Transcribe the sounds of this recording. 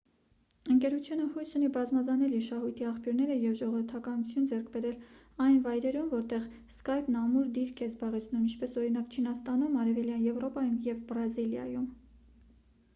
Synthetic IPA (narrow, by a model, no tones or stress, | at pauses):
əŋkɛɾut͡sʰjunəhujsunibɑzmɑzɑnɛliɾʃɑɦujt̪ʰiɑχpjuɾnɛɾəjɛvʒɔʁɔvəɾt̪ʰɑkɑnut͡sʰjund͡zɛɾkʰbɛɾɛl | ɑjnvɑjɾɛɾumvɔɾt̪ɛʁ | skɑjpnɑmuɾd̪iɾkʰɛzbɑʁɛt͡sʰn̪umint͡ʃʰpɛsɔɾinɑkt͡ʃʰinɑst̪ɑnumɑɾɛvɛljɑnjɛvɾɔpɑjumjɛvbɾɑziljɑ̰jum